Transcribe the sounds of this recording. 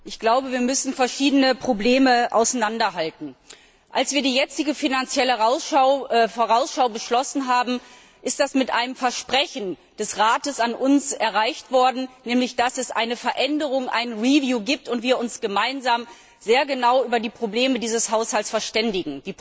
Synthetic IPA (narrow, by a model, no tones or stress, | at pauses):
ʔɪçɡ̥laʊbəviːɐmʏsn̩fɛɐʃiːdənəpʁ̥obleːməʔa̰ʊsanandɐɦaltn̩ | ʔalsv̥iːɐdiːjɛt͡sɪɡəfinant͡sjɛləaʊfoʁaʊsʃaʊbəʃlɔsn̩ɦaːbm̩ | ʔɪst̚d̥asmɪtʔaɪnəmfɛɐʃpʁ̥ɛçn̩ | d̥ɛsʁaːtəsanʔʊnsɛɐʁaɪçtv̥ɔɐdn̩nɛːmlɪçd̥asɛsʔa̰ɪnəfɛɐʔɛndəʁʊŋʔa̰ɪnənʁivjuːɡiːp̚tʊntv̥iːɐʊnsɡ̥əmaɪnzaːm | z̥eːɐɡənaʊʔyːbɐdiːpʁ̥obleːmədiːzəshaʊshaltsfɛɐʃtɛndɪɡŋ̩d̥iː